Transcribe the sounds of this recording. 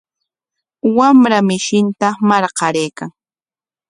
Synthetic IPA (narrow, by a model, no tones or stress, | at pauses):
wamɾamɪʃɪnt̪amaɾqɑɾejkaŋ